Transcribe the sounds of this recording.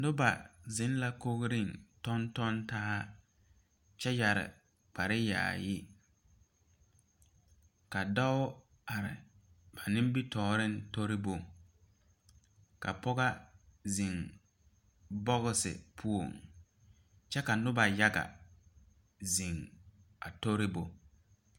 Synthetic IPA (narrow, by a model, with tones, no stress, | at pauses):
nʊ˦ba˨zɪ˨˦n˦la˦ko˦ɣɾɪ˦˨ntɔ˦ntɔ˦nta˦a˦ | t͡ʃɛ˦ja˨ɾɪ̰˨ | k͡pa˨ɾɪ˦ja̰ː˨jɪ˦ | ka˨dɔ˦w | a˨ɾɪ̰˨ | ba˨nɪ˦m˦bi˦tɔː˨ɾɪ˦n̩˦to˦ɾɪ˦bo˨ŋ | ka̰˨pɔ˦ɡa˦zi˨ŋ | bɔ˦ɣʊ˦sɪ̰˨pʰu˦o˨ŋ | t͡ʃɛ˦ka˨nʊ˦ba˨ja˦ɡa̰˨ | zi˨ŋ | a̰˨to˦ɾɪ˦bo˨